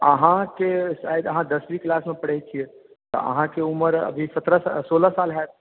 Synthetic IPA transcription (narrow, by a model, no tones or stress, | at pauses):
əɦãkeʃaːjəd̪əɦãd̪ɐswiklaːsmẽpɐɽ̤et͡ʃʰiɛ | t̪o̰ə̰ɦãkeʊməɾɐ̰bʱisɐt̪ɾassoːlasaːlɦɛ